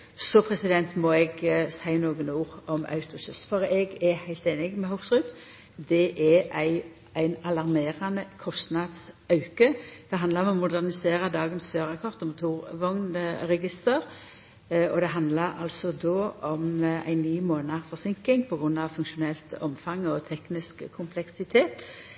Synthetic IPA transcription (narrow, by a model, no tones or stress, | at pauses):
sɔpʰɾɛsɪd̪ɛnt̪mɔɛɡsæɪnoːɡənuːʁɔmɑ̰ʉt̪ʊsʉst̪fɔɾɛɡɛɾhæɪlt̪eːnɪɡmɛhʊksʁʉt̪ | d̪ɛʔɛʔæɪ | æɪnɑlɑɾmeːɾɑnəkʰɔst̪nɑd̪sɑʉkəd̪̥ɛɦɑnd̪lɑɾɔmɔmʊd̪æʁnɪseːɾəd̪ɑːɡənsføːɾəkʰɔʁt̪ɔmʊt̪ʰuːʁʋɔŋnəʁɛɡɪst̪əɾ | ɔd̪ɛɦɑnd̪ləɾɑlsɔd̪oːʔɔmæ̰ɪnːyːmoːnɑʁfɔʁsɪŋkɪŋpʰɔɡɾʉnːɑʋfʉŋʃʊnɛlt̪ɔmfɑŋːɔt̪ʰɛknɪskʰːʊmpʰlɛksɪt̪ʰeːt̪